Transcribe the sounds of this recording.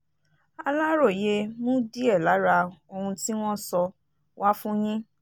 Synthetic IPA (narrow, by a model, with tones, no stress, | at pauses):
a˧la˦ɾo˦˨je˧mũ˦di˦ɛ˦˨la˨˦ɾa˧o˧hũ˧ti˦w̃ɔ̃˦sɔ˧ | wa˦fũ˦j̃ĩ˦